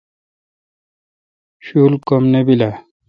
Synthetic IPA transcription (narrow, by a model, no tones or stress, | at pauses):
ɕuːlkomnebila